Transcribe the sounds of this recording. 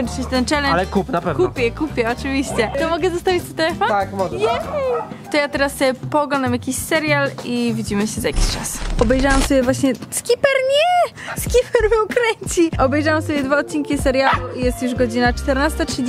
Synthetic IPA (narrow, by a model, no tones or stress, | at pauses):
sɛt͡ɕt̪ɛnt͡ʂɛlɛlɛkupnapɛvkupʲjɛkupʲjɛɔt͡ʂɨvʲiɕt͡ɕɛt̪ɔmɔɡɛzast̪avʲit͡ɕt̪ɔ̥t̪ɛɛfɔakɔɛ | t̪ɔjat̪ɛɾasɛpɔɡanamjakʲiɕsɛɾjalivʲid͡ʑimɘɕɛzaja̰kʲi̥ɕt͡ʂa̰sɔbɛjʐawamsɔbʲjɛvwaɕɲɛskʲipɛɾɲɛ | skʲipɛɾvɘukɾɛɲt͡ɕiʔɔbɛjʐawamsɔbjɛd̪vaɔt̪̚t͡ɕiŋkʲisɛɾjalujɛst̪juʐɡɔd͡ʑinat͡ʂt̪ɛɾnast̪atʂɨd͡ʑ